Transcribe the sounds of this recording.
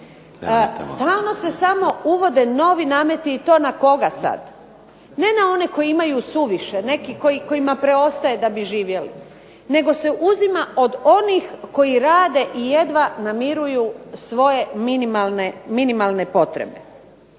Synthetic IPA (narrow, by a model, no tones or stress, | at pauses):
st̪aːlˠno̞se̞samo̞uʋo̞d̪eno̞ʋinaːme̞t̪iːt̪o̞ːnako̞ɡasa̰d̪ | ne̞nao̞ne̞ko̞jiimajusuʋiʃene̞kiko̞jiko̞imapɾe̞o̞st̪aje̞d̪abiʒiːʋje̞lḭ | ne̞ɡo̞se̞ʔuzimaʔo̞d̪o̞nixko̞iɾaːd̪e̞ʔije̞d̪ʋanamiɾujusʋo̞je̞minimalˠneminimalˠne̞po̞t̪ɾḛbe̞̰